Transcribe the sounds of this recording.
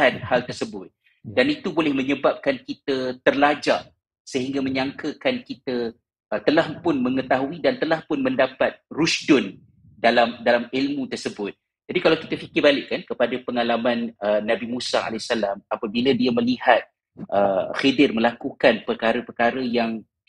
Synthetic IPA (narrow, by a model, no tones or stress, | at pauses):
anhalt̪ərsəbʊt̪̚ | danit̪ubolɛhmə̃ɲəbap̚kankit̪ət̪ərlad͡ʒaʔ | səɦiŋɡamə̃ɲaŋkəkankit̪ə | t̪əlahpʊnməŋət̪aɦuidant̪əlahpʊnmə̃ndapat̪̚rusdʊn | dalamdalamilmũt̪ərsəbʊt̪̚ | d͡ʒadikalawki̥t̪afikɪrbalɪʔkːankəpadapəŋalamanənabimũsa̰a̰lɛsalamapabiladiamə̃liɦat̪̚ | ʔəxedɪrməlakukanpərkaɾəpərkaɾəjaŋ